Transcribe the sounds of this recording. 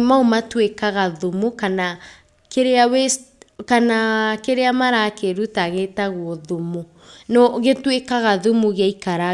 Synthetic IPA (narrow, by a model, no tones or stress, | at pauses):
maomatwekaɣaðomokana | keɾeawekanakeɾeamaɾakeɾutaɣetaɣwɔðomo | nɔɣetwekaɣaðomuɣeaikaɾa